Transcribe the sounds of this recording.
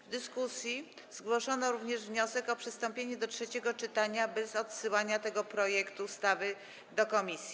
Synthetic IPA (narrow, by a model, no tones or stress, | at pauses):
vd̪ɘskusʲji | z̥ɡwɔʂɔnɔɾuvɲɛʐvɲɔsɛkɔpʂɘst̪ɔmpʲjeɲɛd̪ɔtʂɛt͡ɕɛɡɔt͡ʂɘt̪aɲabɛzɔt̪sɘwaɲat̪ɛɡɔpɾɔjɛkt̪uːst̪avɘ | d̪ɔkɔmʲisʲji